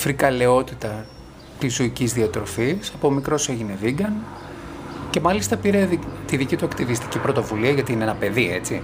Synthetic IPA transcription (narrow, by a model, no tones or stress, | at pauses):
fɾikɐle̞o̞t̪it̪ɐ | t̪isuicizðiɐt̪ɾo̞fisɐpomikɾo̞se̞ʝine̞ðiɡɐn | ce̞mɐlist̪ɐpiɾeit̪iðicit̪uɐkt̪ivist̪i̥cipɾo̞t̪o̞vuliɐʝɐt̪iineenɐpe̞ðie̞̰t͡si